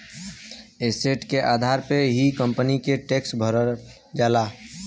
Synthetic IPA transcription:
eseʈkeʔaːd̪ʱaɾpeɦikəmpənikeʈeːksbʱəɾəɾ | d͡ʒaːla

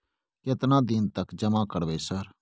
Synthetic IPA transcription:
kɪt̪nãd̪ɪnt̪ɐkd͡ʒɐmãkəɽʋeːsəɾ

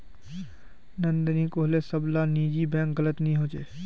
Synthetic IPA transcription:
nə̃nd̪nĩkoːɦlesəblaniːd͡ʒibɛ̃ːkɣələt̪nəɦĩɦoːd͡ʒeː

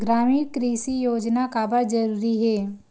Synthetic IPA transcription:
ɡɾaːmiːɽkɾiːsijoːd͡ʒnakabəɾd͡ʒɐɾuːɾiɦɛː

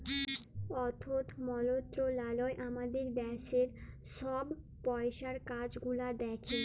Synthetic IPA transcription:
ɔt̪ʰot̪ʰmɔlot̪ːɾolaloeʔamad̪eɾd̪ɛʃeɾ | ʃɔb | pɔeʃaɾkad͡ʑɡulad̪ɛkʰe

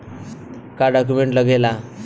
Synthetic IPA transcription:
kaɖɔk̬umeɳʈləɡela

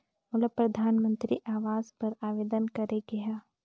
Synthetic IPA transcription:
mʊləpɾɐd̪ʱaːnmə̃nt̪ɾiʔaːʋaːzpɐɾaːʋeːd̪ənkɐɾeɡɐjaː

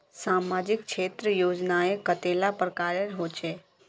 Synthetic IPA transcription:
saːmaːd͡ʒɪk̚t͡ʃʰeːt̪ɾəjoːd͡ʒnaekət̪eːlapəɾkaːɾjəɾɦoːt͡ʃeː

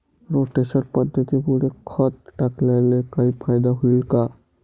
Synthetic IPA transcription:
ɾoʈesəɾpəd̪ʱːət̪ipuɽekʰɔt̪̚ʈaklelekaipʰajd̪aɦulka

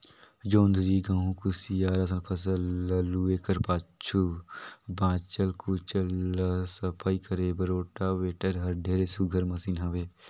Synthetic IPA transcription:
d͡ʒoːnd̪ɾiɡãːɦũkusijaːɾɐs̬ənpʰɐsəllueːkəɾpaːt͡ʃʰubãːt͡ʃəlkut͡ʃəlsəpʰaːikəɾeːbɐɾoːʈaweːʈəɾɦɐɾɖʱeːɾesuɡʱəɾmɐsiːnɦɐ̃ʋeː

